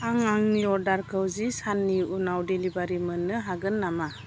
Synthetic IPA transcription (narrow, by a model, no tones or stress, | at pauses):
aŋaŋniɔɾdaɾkʰɯwzisanːiunawdelibaɾimɯnːɯɦaɡɯnːama